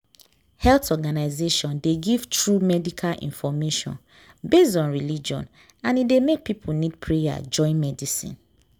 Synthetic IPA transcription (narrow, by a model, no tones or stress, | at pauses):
hɛltɔɡanaɪzeʃɔ̃ndeɡiv̥tʰɹumɛdikʰalʔḭ̃nfɔmeʃɔ̰̃n | besdɔ̃nɹilid͡ʒɔ̰̃n | ãnidemek̚pipʰunid̚pʰɹeja̰d͡ʒɔ̃ɪ̃nmɛdisḭ̃n